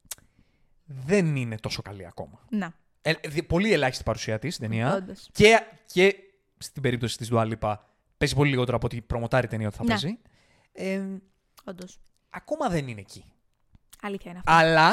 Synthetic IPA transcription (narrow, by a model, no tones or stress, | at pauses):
ðe̞nine̞t̪o̞so̞kɐliɐ̰ko̞̰mɐne | eðipo̞lielɐçist̪ipɐɾusiɐt̪ist̪it̪eniɐod̪oscece̞ | st̪ibe̞ɾipt̪o̞si̥t̪ist̪uɐlipɐ | pezipo̞liliɣo̞t̪e̞ɾoɐpot̪ipɾo̞mo̞t̪ɐɾit̪eniɐo̞t̪iθɐezi | e | ond̪os | ɐko̞mɐðe̞nineːci | ɐliθçɐinɐfɐlɐ